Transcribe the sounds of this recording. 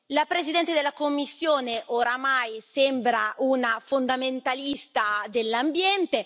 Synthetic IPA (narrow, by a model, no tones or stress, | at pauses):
lapɾezid̪ɛnt̪ed̪elːakomːisːjoːneʔoɾamajsɛmbɾaʔunafond̪ament̪alist̪ad̪elːambjɛnt̪e